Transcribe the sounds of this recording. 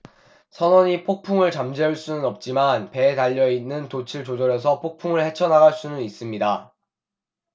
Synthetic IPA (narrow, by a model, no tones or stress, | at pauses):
sʰʌnʌɲipʰok̚pʰuŋɯɭt͡ɕamd͡ʑeuɭs͈unɯnʌp̚t͡ɕ͈imanpe̞taʎːʌinːɯntot͡ɕʰiɭt͡ɕod͡ʑʌɾjʌs̬ʰʌpʰok̚pʰuŋɯɭhe̞t͡ɕʰʌnaɡaɭs͈unɯnis͈ɯmɲida